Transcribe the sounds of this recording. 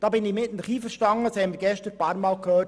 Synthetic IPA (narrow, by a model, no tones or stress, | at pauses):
d̥ɑːbɪnɪmɪtn̩əχiːfəɾʃtɑŋːəshɛmɪɾɡɛʃtəɾpɑːɾmɑːlkʰhøː